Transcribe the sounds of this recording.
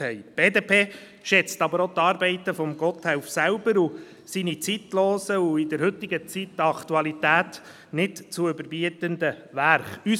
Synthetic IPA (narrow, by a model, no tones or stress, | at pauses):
hɛjb̥eːdeːpʰeː | ʃɛt͡st̪ɑbəɾot̪ɑːɾbɛɪt̪əfɔmɡɔt̪hɛwfsælbəɾu | sinit͡sit̪lɔːsəuɪdɛɾhɵt̪ːɪɡət͡sit̚dɑkt̪uɑlit̪æːt | nɪtt͡suʏbəɾbiət̪əndəʋæɾχy